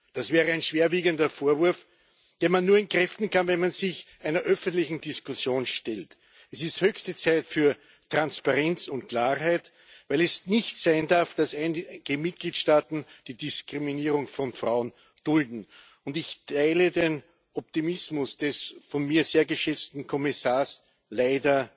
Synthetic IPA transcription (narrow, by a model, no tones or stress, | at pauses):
d̥asv̥ɛːʁəæɪnʃv̥eːɐviːɡəndɐfoːɐvʊɐf | d̥eːɐmanːuːɐɪnkʁɛftn̩kʰanvɛnmanzɪçʔæɪnɐʔœfəntlɪçn̩dɪskʊsjoːnʃtɛlt | ɛsɪsthøːçstət͡sæɪtfyːɐ | tʁ̥anspaʁɛnt͡sʊntkʰlaːɦæɪt | væɪlɛsnɪçtsæɪndaɐfd̥asæɪnɡ̥əmɪt̚ɡ̥liːtʃtaːtn̩d̥iːdɪskʁ̥iminiːʁʊŋfɔnfʁa̰ʊən | d̥ʊldn̩ | ʊndɪçtʰaɪləden | ʔɔp̚timɪsmʊsd̥ɛsfɔnmiːɐzeːɐɡəʃɛt͡stn̩kʰɔmɪsaːɐs | laɪdɐ